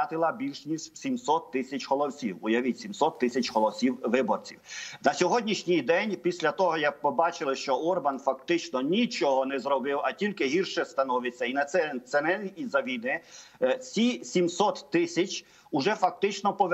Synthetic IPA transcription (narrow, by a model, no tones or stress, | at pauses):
ɑt̪ɪlˠɐbʲilʲʃnʲisʲtʲsʲimsɔt̪ːɪsʲɐt͡ʃɦɔlˠɔwsʲiwʊjɐʋɪsʲimsɔt̪ːɪsʲɐt͡ʃɦɔlˠɔwsʲiwʋɪbɔrt͡sʲiwnɐsʲɔɦɔdʲnʲiʃnʲɪjd̪ɛnʲpʲisʲlʲɐt̪ɔɦɔjak̚pɔbɑt͡ʃɪlˠɪʃt͡ʃɔɔrbɐnfɐkt̪ɪt͡ʃnɔnʲit͡ʃɔɦɔnɛzɾɔbɪwɐtʲilʲkɪɦirʃɛst̪ɐnɔʋɪt͡sʲːɐinɐsɛnsɛnɛlʲiizɐʋʲijnɪt͡sʲisʲimsɔt̪ːɪsʲɐt͡ʃʲ | ʊʒɛfɐk̚t̪ɪt͡ʃnɔpɔʋ